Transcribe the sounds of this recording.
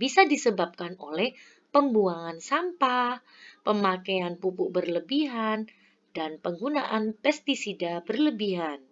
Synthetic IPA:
bisadisəbap̚kanolɛh | pəmbuaŋansampah | pəmakeanpupʊʔbərləbiɦan | danpəŋɡunaʔanpɛst̪isidabərləbiɦan

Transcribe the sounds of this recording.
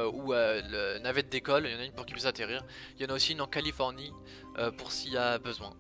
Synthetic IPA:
uølənavɛt̪̚d̪ekɔljɑ̃naynpuʁkʲi̥pɥisat̪eʁiːʁ | ljɑ̃naosiynɑ̃kalifɔʁni | øpuʁskʲiabəzwɛ̰̃

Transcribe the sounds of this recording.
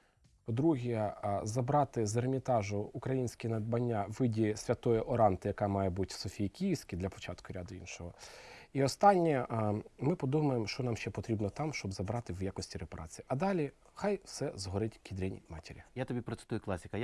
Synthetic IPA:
pɔd̪ɾuɦʲizɐbɾɑt̪ɪzermʲit̪ɑʒʊʊkɾɐjinʲsʲkʲɪnɐd̪̚bɐnʲːaʋɪdʲisʲʋʲɐt̪ɔjɛʔɔɾɑnt̪ɪjɐkɑmɑjɛbutʲsɔfʲijikʲijsʲkʲɪd̪lʲɐpɔ̥t͡ʃɑt̪kʊɾʲad̪ʊinʃɔɦɔiɔst̪ɑnʲːimɪpɔd̪umɐjemʃt͡ʃɔnɑmʃt͡ʃɛpɔt̪ɾʲibnɔt̪ɑmʃt͡ʃɔbzɐbɾɑt̪ɪwjakɔsʲtʲiɾepɐɾʔɑ̰t͡sʲijiʔɐd̪ɑlʲi | xɑjwsɛzɦɔɾɪtʲkʲid̪ɾʲɛnʲḭmɑ̰tʲeɾʲijat̪ɔbʲipɾɔt̪sɪ̥t̪ujʊklˠasʲɪkɐj

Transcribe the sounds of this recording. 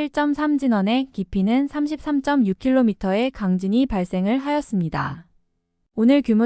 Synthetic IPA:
iɭt͡ɕ͈ʌmsʰamd͡ʑinʌne̞kipʰinɯnsʰamɕʰip̚s͈amt͡ɕ͈ʌmjukʰiɭːomitʰʌe̞kaŋd͡ʑiɲipaɭs͈e̞ŋɯɭɦajʌs͈ɯmɲida | onɯɭkjumu

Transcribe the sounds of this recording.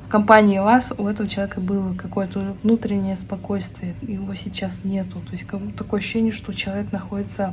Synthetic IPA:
kɐmpanʲɪjɪvasʊɛt̪əvət͡ɕɪlˠɐvʲekəbɨlˠəkɐko̞jət̪əvnut̪ɾʲɪnʲːɪjəspɐko̞jst̪vʲɪjəjɪvo̞sʲɪt͡ɕːasnʲe̞t̪ʊt̪o̞jɪsʲtʲkɐt̪ɐko̞jəɐɕːʊ̥ːɕːenʲɪjəʂt̪o̞t͡ɕɪlˠɐvʲeknɐxo̞dʲɪt̪sə

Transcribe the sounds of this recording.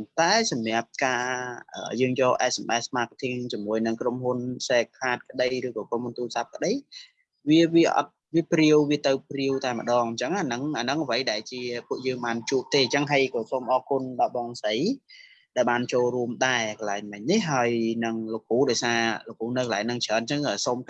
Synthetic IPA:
nt̪aɛsɑmɛ̆əp̚kaːʔə̰ːjəːŋjɔːlʔɛsmʔasmaːk̚t̪ʰiŋt͡ɕiəmuəjnɨŋkromɦunseːkʰːaːt̪̚kə̆ɗəjɾrɨːkɔːkromhunt̪uːlsap̚kə̆ɗəj | ʋiəʋiəʔɑ̰t̪̚ʋiəpriəwʋiət̪ɨwpriəwt̪aɛmə̆ɗɑːŋɲt͡ɕəŋanɨŋʔanɨŋəʋəjɗaɛlt͡ɕiəpuəʔjəːŋɓaːnt͡ɕuəp̚t̪eːt͡ɕəŋɦəjkɑːsoːmʔɑːkunɗɑɓɑːŋsəj | ɗaɛlɓaːnt͡ɕoːlruəmɗaɛkɑlaɛŋmɨɲnihɦaəjnɨŋlok̚ʰuːɗaɔjsaːlŏk̚ːuːnɨwkəlaɛŋnɨŋt͡ɕʰəːnt͡ɕəŋəːsom

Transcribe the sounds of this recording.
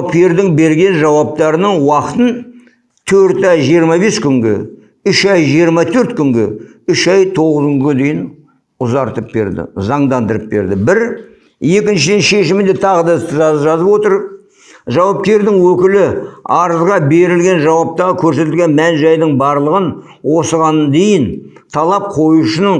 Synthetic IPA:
pkʲe̞ɾd̪ɪŋbe̞ɾɡʲe̞nʒɑwɑp̚t̪ɑɾənəɴwɑqət̪ən | t̪ʰɵɾt̪ɑjʒijəɾmɑbe̞skʲʰʏŋɡʲe̞̰ | ʏʃɑjʒijəɾmɑt̪ʰɵɾt̪kʲʰʏŋɡʲe̞ | ʏʃɑjt̪ʰo̞ʁəzkʲʰʏŋɡʲed̪e̞jɪn | ʊzɑɾt̪əp̚be̞ɾd̪ɪ̰zɑɴd̪ɑnd̪əɾəp̚be̞̰ɾd̪ɪbɪɾ | je̞kʲɪnʃɪd̪enʃe̞ʃɪmɪnd̪e̞t̪ʰɑʁəd̪ɑɪst̪əʒɑʒɑzəpwo̞t̪əɾ | ʒɑwɑp̚kʲe̞ɾd̪ɪŋwɵkʲɪlɪɑɾəzʁɑbe̞ɾɪlɡʲe̞nʒɑwɑp̚t̪ɑʁəkʲʰɵɾse̞t̪ɪlɡʲe̞nmænʒɑjd̪əɴbɑɾlˠəʁən | wo̞səʁɑnd̪e̞jɪn | t̪ʰɑlˠɑp̚qʰo̞juʃənə

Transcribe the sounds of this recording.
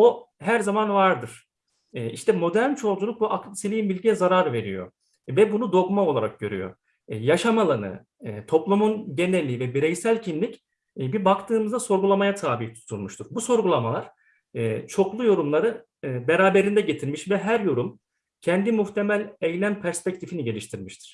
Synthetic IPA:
o̞ɦæɾzamanvaɾd̪ɯɾ̥ | iʃt̪ʰɛmo̞d̪æɾnt͡ʃʰo̞ld͡ʒulˠuk̚buʔaklʲisilʲiimbilʲɟijɛzaɾaɾve̞ɾḭjo̞̰ | vɛbunud̪o̞kmao̞lˠaɾak̚ɟø̞̰ɾyjo̞̰ | jaʃamalˠanɯ̰ | t̪ʰo̞plˠumunɟe̞nɛlʲːivɛbiɾɛjsælʲcʰinlʲic | bibakt̪ʰɯːmɯzd̪aso̞ɾɡulˠamajat̪ʰaːbiht̪ʰu̥t̪ʰulˠmuʃt̪ʰuɾbuso̞ɾɡulˠamalˠaɾ̥ | t͡ʃʰo̞klˠujo̞ɾumlˠaɾɯ | beɾaːbe̞ɾind̪ɛɟe̞t̪ʰiɾmiʃvɛɦæɾjo̞ɾum | cʰɛnd̪imuxt̪ʰe̞mælʲejlʲænpʰæɾspɛc̚t̪ʰifiniɟe̞lʲiʃt̪ʰiɾmiʃt̪ʰi̥ɾ̥

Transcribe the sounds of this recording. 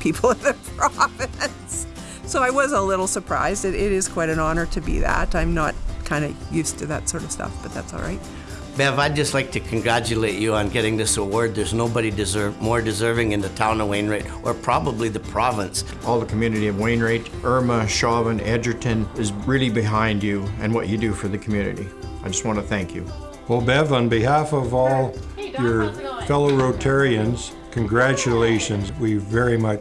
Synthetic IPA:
pʰipʰl̩ˠnðɨpʰɹɹ̥ɑvɨ̃ns | soʊaɪwʌzəlɪɾl̩ˠsə˞pʰɹ̥a̰ɪzdɨɾɪɾɪz̥kʰw̥aɪɾɨ̃nɑnə˞ɾɨbḭðæ̰ɾãɪ̃mnət̚kʰãɪ̃ndɨjʉstʰɨðɨtsɔɹɾʌv̥stʌ̰fb̥ʌt̪̚ðæ̰tsɔ̰lˠɹa̰ɪt̚ | bɛvaɪd͡ʒʌstˡlaɪk̚tʰɨkʰn̩ɡɹæt͡ʃɨleɪt͡ʃɨə̃nɡɛɾɪ̃ŋðɪsəwɔɹd̪̚ðə˞znoʊbəɾidɨzɜ˞mɔɹdɨzɜ˞vɪ̃ŋɨ̃nðɨtʰãʊ̃nəwẽɪ̃nɹeɪɾʔə˞pʰɹ̥ɑbəbliðɨpʰɹ̥ɑvə̃ns | ʔɔlˠðəkʰmjʉnɨɾiʌvwẽɪ̃nɹeɪɾʔɜ˞məʃɑvə̃nɛd͡ʒə˞tɨ̃nɪzɹɪlˠibɨɦãɪ̃nd͡ʒɨɨ̃nwʌt͡ʃɨdɨfə˞ðɨkʰmjʉnɨ̰ɾḭaɪd͡ʒʌst̚wɑ̃ntʰɨθæ̃ŋkʰjʉ̰ | olˠbɛvə̃nbɨɦæfʌvɔlˠjə˞fɛlˠoʊɹoʊtʰɛɹiɨ̃nz̥ | kʰɨ̃nɡɹæt͡ʃɨleɪʃɨ̃nzwivɛɹimʌ

